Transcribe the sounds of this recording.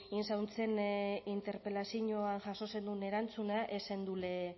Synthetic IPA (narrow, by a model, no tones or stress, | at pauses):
insawnt͡se̞nint̪e̞ɾpelasiɲoanʝaso̞se̞nd̪une̞ɾant͡sunaʔe̞send̪ule